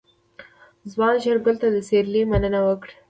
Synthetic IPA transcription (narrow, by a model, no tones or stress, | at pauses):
zwɑnʃaɾɡəlt̪ad̪əseɾlimanənawəkɽ